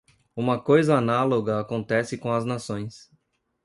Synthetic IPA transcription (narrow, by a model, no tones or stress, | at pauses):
ũmɐkojzɐanaloɡɐakõnt̪ɛsɪkõɐznasõj̃s